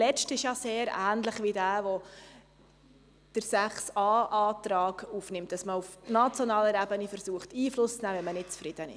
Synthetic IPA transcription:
lɛʃtɪʃjɑseːɾæ̰ːnləχʋidæːʋɔ | d̥əɾsæχsɑːʔɑːt̪ɾɑːɡufnɪmtːɑsməufnɑt͡sjonɑːləɾæbənifəɾsuːəχtiːflʊst͡snæːʋɛnmənɪt̚t͡sfɾɪd̥ənɪ̰ʃ

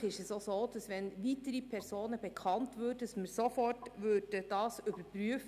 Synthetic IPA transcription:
ɪʃɛsosoːd̥ɑsʋɛnʋitəɾipʰɛɾsoːnəbɛkʰχɑntvʉːɾdəɑsməɾsofɔrtvøːɾd̥əd̥ɑːsʏbəɾpɾyəf

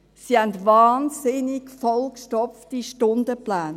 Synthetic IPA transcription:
sihɛntvɑːnsɪnikfɔlkʃtɔpftiʃtʊndəplæːn

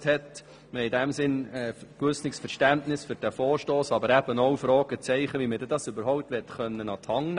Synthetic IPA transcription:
thɛt | məɪdæmsɪnɛːkʋʏsnɪksfɛɾʃtæntnɪsfʏɾd̥æfɔːɾʃtoːsɑbəɾæbənowfɾɔːɡ̥ət͡sɛɪχəʋiməd̥ɛdɑsʏbəɾɦɔʊp̚tʋɛtχœnːənɑt̪hɑŋn

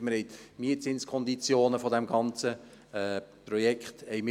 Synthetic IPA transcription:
məɾhɛɪt̪miətsɪnskʰɔnd̪it͡sjoːnəfɔd̪æmɡɑnt͡sə | prɔjɛkχt̪ɛɪmɪ

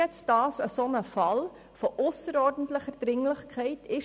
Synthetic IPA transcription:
ɛt͡sd̥ɑːsəsonəfɑl | foʔʊsəɾɔːrdən̩tləχəɾd̥ɾɪŋləχkʰχɛɪtʰɪʃ

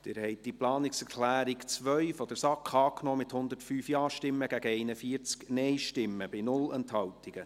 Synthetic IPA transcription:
d̪tɪːɾhɛɪt̚d̥iplɑːnɪksɛɾklæːɾikt͡sʋœɥfɔd̥̪əɾsɑkχɑːknɔːmɪt̪hʊnd̪əɾtfyːfjɑːʃtɪmːəɡ̥æɡəɛɪnəfiːəɾt͡sknɛjʃtɪmːəbɪnʊlənt̪hɑwtiɡ̥ə

